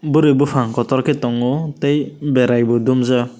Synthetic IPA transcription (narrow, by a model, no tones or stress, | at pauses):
buɾebupʰaŋkɔt̪ɔɾkɛt̪ɔŋɔt̪ejbɛɾajbɔd̪umza